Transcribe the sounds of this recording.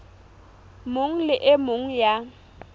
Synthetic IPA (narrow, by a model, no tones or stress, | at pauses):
mʊŋ̩lɪʔɪmʊŋ̩ja